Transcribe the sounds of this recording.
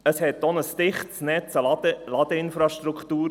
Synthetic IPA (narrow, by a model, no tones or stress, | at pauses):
əshɛt̪ːonəst̪ɪχt̪snɛt͡sədəlɑd̥̪əɪnfɾɑʃtɾukʰt̪uːɾ